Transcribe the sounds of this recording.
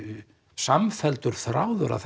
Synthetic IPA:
samfɛlt̪ʏɾ̥θɾaːwðʏɾʔa̰θ

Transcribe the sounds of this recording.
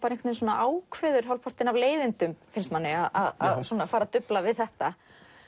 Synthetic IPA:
paɾẽnkʰt̪nensɔːna̰ʔaːwkʰvɛːðʏɾ̥ɦawlpʰɔr̥t̪ɪnavleːjvɪnt̪ʏmfɪnst̪manːɪaða̰ða̰ðsuɔnafaːɾat̪ʏplavɪðθɛht̪a

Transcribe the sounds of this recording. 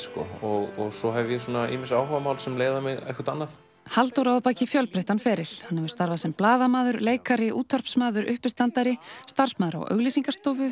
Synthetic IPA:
skɔ̰ɔɣɔɣsɔɦɛvɪjɛsuːnaḭːmɪnsaːwɦavamaːwlsɛmleːjðamɪɣɛ̰hkaɾt̪anːaθ | halt̪owɾaawpaːcɪfjœlpɾeht̪anfɛːɾɪl̥hanːhɛvʏ̥st̪aɾvasɛmplaːðamaːðʏɾleːjkaɾɪʔuːt̪ʰːɔɾ̥psmaːðʏɾʏhpɪst̪ant̪aɾɪst̪ar̥smaːðʏɾa̰wʔœ̰ɣlisiŋkast̪oːwvʏ

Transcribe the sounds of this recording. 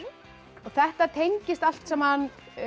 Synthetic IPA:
ɔɣθɛht̪at̪ʰejɲcɪst̪al̥t̪sɛmhan

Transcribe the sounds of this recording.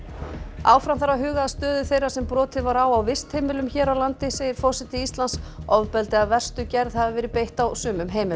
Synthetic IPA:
a̰wfɾamθaɾːaɦʏːɣaːst̪œːðʏθejrasɛmpɾɔːt̪ɪðvaɾawawvɪst̪hejmɪlʏmçɛːɾawlant̪ɪseːjɪɾ̥fɔsɪt̪ɪist̪lansɔvpɛlt̪ɪaðvɛr̥st̪ʏcɛɾðhavɪvɛːɾɪpejht̪awsʏːmʏmɦeːjmɪ

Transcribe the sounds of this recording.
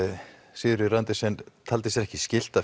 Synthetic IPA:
siːðʏɾʏɾant̪ɪsɛnt̪ʰalt̪ɪsjɛɾɛhcɪscɪl̥t̪a

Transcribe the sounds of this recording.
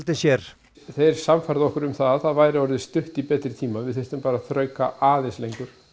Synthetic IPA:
lt̪ɪsjɛɾ̥ | θejɾ̥samfajɾðɪɔhkʏɾʏmθaðθaðvaːjɾɪɔɾðɪst̪ʏht̪ipɛːt̪ɾɪt̪ʰiːmavɪðθejst̪ʏmpaːɾaðθɾœːɥkaʔaːðɪslejŋkʏɾ̥

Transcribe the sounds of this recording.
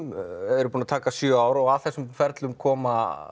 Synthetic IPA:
mɛɾʏpunat̪ʰaːkasjœaːwɾɔɣaðθɛsʏmfɛɾt̪lʏmkʰɔːma

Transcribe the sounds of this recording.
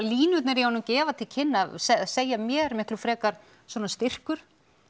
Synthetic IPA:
liːnʏt̪nɛɾjɛanʏcɛːvat̪ʰɪlcʰɪnːasɛseːjamjɛːɾmɪhklʏfɾɛːkaɾ̥ | svɔːnast̪ɪr̥kʏɾ̥

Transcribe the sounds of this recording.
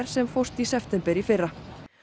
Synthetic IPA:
ɾ̥sɛmfowst̪isɛft̪ɛmpɛɾifɪrːa

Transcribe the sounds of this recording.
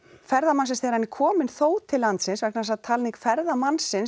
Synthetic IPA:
fɛɾðamansɪnsθɛːɾanːɪkʰɔːmɪnθoːwt̪ʰɪlːant̪sɪnsvɛhknasat̪ʰalniŋkfɛɾðamansɪn

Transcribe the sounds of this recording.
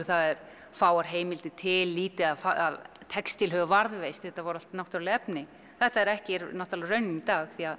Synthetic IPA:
θaðɛɾ̥ | faːwaɾ̥ɦeːjmɪlt̪ɪt̪ʰɪlːiːt̪ɪaðfaa̰ðt̪ʰɛkst̪ilhœvʏvaɾðvejst̪θɛht̪ːavɔɾalt̪nawht̪ɾlɪɛpnɪ | θɛht̪aɛɾɛhcɪɾnɔht̪alrœɥnːɪnit̪aːɣɣθia

